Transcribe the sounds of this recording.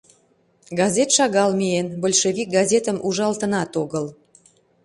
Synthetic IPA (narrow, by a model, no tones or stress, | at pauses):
ɡɑzʲet̪ʃɑɣɑlmienbolʲʃeβʲik̚ɡɑzʲet̪əmʔuʒɑlt̪ənɑt̪oɣəl